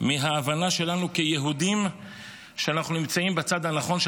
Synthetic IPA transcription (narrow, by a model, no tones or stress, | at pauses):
miɦaːvanaʃe̞lanukejeɦud̪im | ʃeanaχnunimt͡saimbet͡sad̪hanaχo̞nʃ